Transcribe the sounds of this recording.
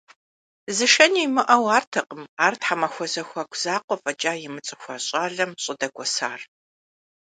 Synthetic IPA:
zɨʃɐniːmɨʔɐwaːrtʰɐqəmaːrtħamɐxʷɔzɐxʷɐkʷʰʼz̥aːqʷɔfʼɐt͡ʃʼaːjɪmɨt͡sʼɨxʷɐɕʼaːɮɐmɕʼɪdɐɡʷɔsaːr

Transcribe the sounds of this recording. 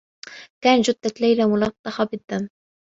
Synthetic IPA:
kaːnd͡ʒʊd̪ːalajlamʊlɑt̪ˤːɑħɑbɪd̪ːamː

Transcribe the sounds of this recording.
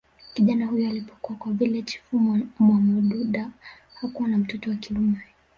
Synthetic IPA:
kiʄanahujɔalipɔkuakwavilɛt͡ʃi̥fummwamɔɗuɗa | hakuwanam̩tɔtɔwakiumɛ

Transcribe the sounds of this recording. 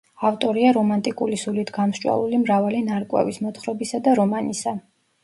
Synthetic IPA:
aft̪ʼɔɾiaɾɔmant̪ʼikʼulisulit̪ʰɡamst͡ʃʼwa̰lˠulimɾavalinaɾkʼwɛ̰vismɔt̪χɾɔbisad̪aɾɔmanisa

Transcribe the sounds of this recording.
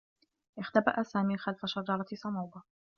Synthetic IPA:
ʔɪxt̪aba̰ʔasaːmiːxalfaʃɑd͡ʒɑɾˤɑsˤɑmɑwba

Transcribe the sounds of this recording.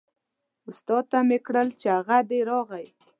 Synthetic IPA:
ʊst̪ɑt̪ːamekɽəlt͡ʃeaɣad̪eɾɑɣaj

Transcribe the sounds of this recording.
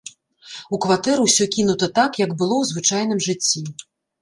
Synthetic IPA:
ukvat̪ɛɾuwsʲɔkʲin̪ut̪ɐt̪akjɐɡbɨlˠɔwzvɨt͡ʂajn̪ɨmʐɨt͡sʲːi

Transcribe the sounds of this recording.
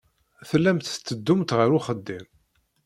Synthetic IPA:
θlːæmt̪t͡s̪ːəd̪ːʊmt̪ʁəɾʊχəd̪ːim

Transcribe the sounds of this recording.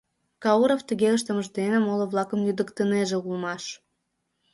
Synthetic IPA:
kɑuɾoft̪əɣeləʃt̪ə̆məʒd̪enemoloβlɑkəmlyd̪əkt̪əneʒeulmɑʃ

